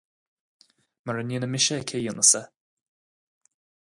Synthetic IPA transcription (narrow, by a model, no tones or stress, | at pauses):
maɹəniːnəmɪʃəkʰejʊnəsə